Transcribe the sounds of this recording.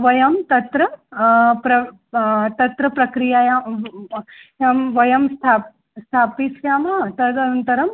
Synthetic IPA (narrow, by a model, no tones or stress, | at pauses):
ʋɐjɐmt̪ɐt̪ɾɐ | pɾɐ | t̪ɐt̪ɾɐpɾɐkɾijaja | jamʋɐjɐmst̪ʰa | st̪ʰaːpisʰjaːmat̪ɐd̪ɐɐnt̪ɐɾɐm